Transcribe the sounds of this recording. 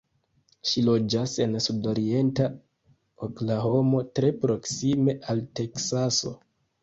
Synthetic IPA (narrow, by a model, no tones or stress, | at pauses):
ʃilo̞d͡ʒase̞nsudo̞ɾie̞nta | oklaɦo̞mo̞tɾe̞pɾo̞ksime̞ʔalte̞ksaso̞̰